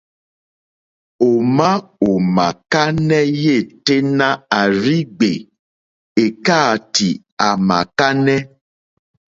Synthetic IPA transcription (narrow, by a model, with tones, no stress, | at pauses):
o˨mã˦o˨mã˨ka˦nɛ˦je˦˨te˦nã˦a˨ɾi˦ɡ͡be˨ | e˨ka˦˨ti˨ | a˨mã̰˨ka˦nɛ˦